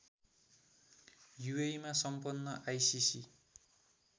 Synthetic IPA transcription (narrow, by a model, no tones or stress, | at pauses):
juejmasʌmpʌnːʌʔajsisi